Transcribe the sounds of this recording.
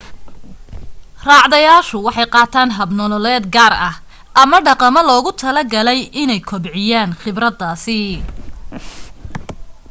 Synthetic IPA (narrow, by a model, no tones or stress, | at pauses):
rɑːʕðɐjaːʃʊwɑħɑjqɑːt̪ʰaːnɦɐbnɔlɔlɛːd̪ɡaːrɐh | ʔɐmɐɖɑqɑmɐlɔːɣʊt̪ʰɐlɐɡɐlɛjʔɪnɛjkʰɔbʕɪjaːnχɪbrɐd̪aːsɪ